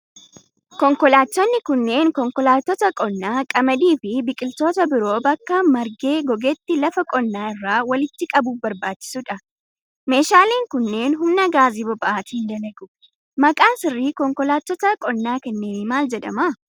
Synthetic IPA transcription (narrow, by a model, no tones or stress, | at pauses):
kɔŋkɔlaːt̪ːɔnːɪkʊnːe̞ːŋkɔŋkɔlaːt̪ːɔt̪ɐkʼɔnːaːkʼɐmɐd̪iːfɪbɪkʼɪlt̪o̞ːt̪ɐbɪɾo̞ːbɐkːɐmɐɾɡe̞ːɡɔɡet̪ːɪlɐfɐkʼɔnːaːɪrːaːwɐlɪt̪ːɪkʼɐbuːfbɐɾbaːt͡ʃːɪ̥sʊᶑɐ | me̞ːʃaːleːŋkʊnːe̞ːnɦʊmnɐɡaːziːbɔbɐʔaːt̪iːnd̪ɐlɐɡʊ | mɐkʼaːnsɪrːiːkɔŋkɔlaːt̪ːɔt̪ɐkʼɔnːaːkɛnːe̞ːnɪmaːld͡ʒɛᶑɐ̰mɐ